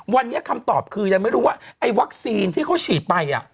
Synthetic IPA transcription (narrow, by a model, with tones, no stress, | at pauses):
wa˧nːi˦˥ɐkʰa˧mt̪ɔː˨˩p̚kʰɯː˧ja˧ŋma˥˩jɾuː˦˥waː˥˩ʔa˧jwa˦˥k̚siː˧nt̪ʰiː˥˩kʰa˦˥wt͡ɕʰiː˨˩t̪̚pa˧jʔa̰˨˩ʔ